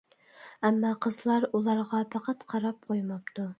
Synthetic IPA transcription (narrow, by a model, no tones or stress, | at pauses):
ɛmːɑqʰəzlˠɑɾulˠɑɾʁɑpʰæqæt̪qʰɑɾɑp̚qʰojmɑp̚t̪u